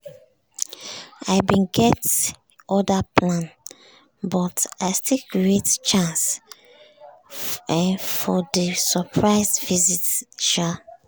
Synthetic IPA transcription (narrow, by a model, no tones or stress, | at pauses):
aɪbĩnɡɛt | ɔdapʰlãn | bɔtaɪstikiett͡ʃãns | fɔdəsəpʰɹaɪsvizitʃa